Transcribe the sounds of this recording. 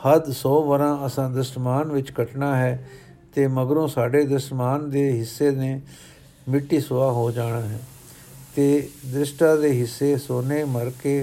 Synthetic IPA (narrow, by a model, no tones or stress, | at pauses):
həd̪sɔːʋəɾãːəsãːd̪ɾɪsʈmaːnʋɪt͡ʃkəʈnaːɦɛː | t̪eːməɡɾõːsaːɖeːd̪ɾɪsʈmaːnd̪eːɦɪsːeːneː | mɪʈːiːsʊaːɦoːd͡ʒaːɽ̃aːɦɛː | t̪eːd̪ɾɪʃʈãːd̪eːɦɪsːeːsoːneːməɾkeː